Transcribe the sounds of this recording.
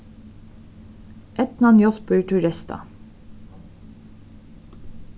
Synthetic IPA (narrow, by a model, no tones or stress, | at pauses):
ʔɛt̪nɑnjɔlbʉːʈʰʉɹɛst̪ʰɑ̰